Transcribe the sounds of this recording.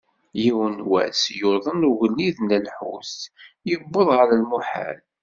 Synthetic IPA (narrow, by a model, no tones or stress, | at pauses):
jiwənwæ̰sjʊðˤənuɣəlːiðnəlħṵs | jəbːəðˤʁəɾalmuħa̰l